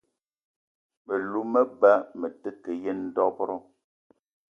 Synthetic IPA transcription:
mə˨lu˦mə˦ba˦mɛ˨te˦ke˨jɛ˦n̩˦dɔ˦pɾɔ˦

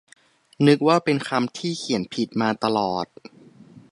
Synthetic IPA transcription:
nɯ˦˥k̚waː˥˩pe˧nkʰa˧mt̪ʰiː˥˩kʰi˨˩˦ənpʰi˨˩t̪̚maː˧t̪a˧lɔː˨˩t̪̚

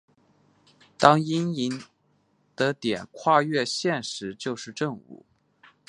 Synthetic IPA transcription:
t̪ɑ˥ŋi˥ni˧˥n | d̪̥ə˧t̪jɛ˨˩nkʰwa˥˧ɥɛ˥˧ɕjɛ˥˩nʂɻ̩˧˥t͡ɕjo˥˧ʊʂɻ̩˥˧ʈ͡ʂɤ˥˧ŋṵ˨˩

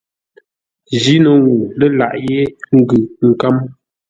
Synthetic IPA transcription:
d͡ʒi˦nə˨ŋu˨lə˦la̰˨ʔje˦ŋ̩˦ɡʉ˨ŋ̩˨ka˦m

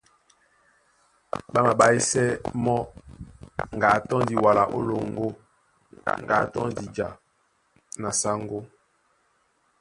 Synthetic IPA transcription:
ɓa˦ma˨ba˦i˦sɛ˦mɔ˦ | ŋ˨ɡa˨˦tɔ̃˦ndi˨wa˨la˨ʔo̰˦lo˨ŋɡo˦ | ŋɡa̰˨˦tɔ̰˦di˨d͡ʒa˨ | na˨sa˦ŋɡo˦

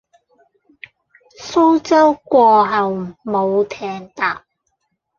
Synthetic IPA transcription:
so˥wt͡sɐ˥wkʷɔː˧ɦɐ˨wmo˨˧wt̪ʰɛː˨˩ŋt̪aː˨p̚

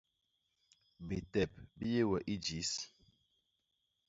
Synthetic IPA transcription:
be˨tɛ˨p̚bi˦je˦wɛ˨ʔi˦d͡ʒi˨˦s

